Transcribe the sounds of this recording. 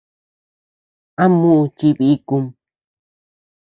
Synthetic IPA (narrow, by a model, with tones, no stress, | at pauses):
a˦mũ˦ʔũ˧t͡ʃi˧βi˧˦˧ku˧m